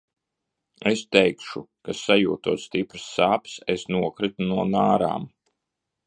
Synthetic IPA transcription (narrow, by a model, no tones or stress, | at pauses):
est̪ɛjkʃukasajṵːt̪uɔːt̪st̪ipɾɨ̥sːaːpsesnuɔkɾit̪unuɔnaːɾa̰ːm